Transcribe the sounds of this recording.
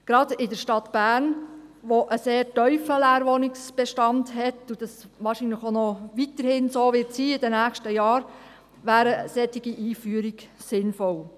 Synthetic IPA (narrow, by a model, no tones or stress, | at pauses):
ɡ̥ɾɑdɪdəɾʃtɑtb̥æːɾnʋoʔəseːɾtœʏfəlæːɾʋonɪksb̥ɛʃtɑndhɛtud̥ɑsʋɑːɾʃiːnləxonɔʋitəɾhɪnsoːʋɪtsiːɪdɛnæːxʃtəjɑːɾ | ʋæːɾəsɛtɪɡiʔiːfyːəɾiɡsɪnfɔl